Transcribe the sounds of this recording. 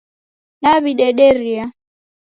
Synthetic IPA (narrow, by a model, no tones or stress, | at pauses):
naβiɗɛɗɛɾia